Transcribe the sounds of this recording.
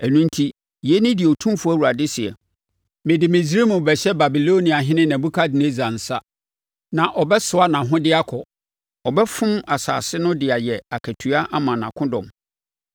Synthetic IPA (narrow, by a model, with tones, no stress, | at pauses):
æ˨nũ˦n̩˦tʰi˦ | jɛ˦nɪ̃˦dɪ˨ɔ˨tʰũ˦m˦fʊ˦æ˦wu˨ɾa˨dɪ˦sɪ˨ɛ̰˨ | mɪ̃˨dɪ˨mɪ̃˨zɾi˦mʊ̃˨bɛ˨ɕɛ˦ba˨bi˨lo˦nĩ˨a˨ɦɪ̃˦nɪ̃˦nã˨bu˦kʰa˦dɪ˨ne˦za˨n̩˨sa˦ | nã˨ʔɔ˨bɛ˦sʊ˨a˦nã˨ɦʊ̃˦dɪ˦a˦kʰɔ˨ | ɔ˨bɛ˦fʊ̃˦ma˨sa̰ː˨sɪ˦nʊ̃˦dɪ˨a˨jɛ˨a˨kʰæ˨tʰɥa˦ʔa˦mã˨nã̰˨kʰʊ̃˦dɔ̰̃˨m